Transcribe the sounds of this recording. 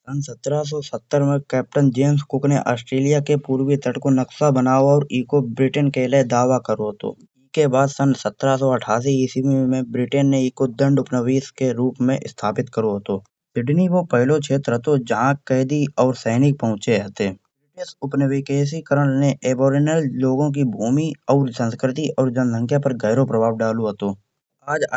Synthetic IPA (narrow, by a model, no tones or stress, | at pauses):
sənsət̪ːɾas̬ɔsət̪ːəɾmẽkɛːp̚ʈənd͡ʒeːmskʊkneʔaːsʈɾeːlijakepuːɾwit̪ʰəʈkonɐksabənaːoɔːɾiːkobɾɪʈənkeled̪aːʋakəɾoɦt̪o̰ː | iːkebaːd̪sənsət̪ːɾas̬ɔəʈʰaːs̬iisibimẽbɾɪʈenːeiːkod̪ə̃ɳɖʊpnəʋiːskeɾuːpmẽʔɪ̰st̪ʰaːpɪt̪kəɾoɦət̪oː | sɪɖniʋopəɦlokʰeːt̪ɾɦət̪od͡ʒɐɦãkəːd̪iɔːɾsɛːnɪk̚pəɦʊ̃t͡ʃeɦət̪eːbɾɪʈɪsʊpnəʋikes̬ikəɾənneʔeːbɔːɾɪnəlloːɡõk̬ibʱuːmiɔːɾsə̃nskɾɪt̪iʔɔːɾd͡ʒənsə̃ŋkʰjapəɾɡɛːɾopɾəbʱaːʋɖaːloɦət̪oː | aːd͡ʒ